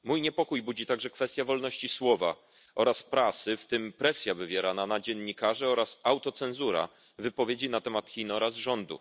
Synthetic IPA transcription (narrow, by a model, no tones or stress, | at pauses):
mujɲɛpɔkujbud͡ʑit̪aɡʐɛkfɛst̪ʲjavɔlnɔɕt͡ɕiswɔva̰ | ʔɔɾaspɾasɘft̪ɘmpɾɛsʲjavɘvʲjɛɾananad͡ʑɛnɲːikaʐɛɔɾasawt̪ɔt̪sɛnzuɾa̰ | vɘpɔvʲjed͡ʑinat̪ɛmat̪xʲinɔɾazʐɔnd̪ṵ